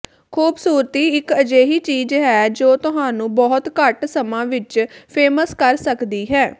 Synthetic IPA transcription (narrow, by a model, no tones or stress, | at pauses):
kʰuːbsuːɾət̪iːɪkəd͡ʒeːɦiːt͡ʃiːzɦɛːd͡ʒoːt̪ʊɦãːnũːbɔːt̪kəʈsəmãːʋɪt͡ʃpʰeːməskəɾsəkd̪iːɦɛː